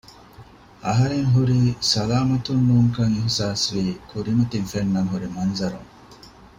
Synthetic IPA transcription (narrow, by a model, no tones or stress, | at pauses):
ɐɦɐɾeŋɦuɾisɐlaːmɐt̪unːuːŋkɐŋihsaːsʋiːkʰuɾimɐt̪iŋfenːɐŋɦuɾimɐnzɐɾṵŋ